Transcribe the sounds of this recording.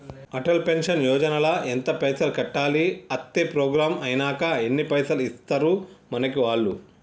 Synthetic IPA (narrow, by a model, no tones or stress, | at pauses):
ɐʈɐlpenʃɐnjɔːd͡ʒɐnɐlɐent̪ɐpɐjsɐlkɐʈːaːliɐt̪ːepɾɔːɡɾaːmɐjinaːkɐenːipɐjsɐlist̪ɐɾumɐnɐkiʋaːɭːu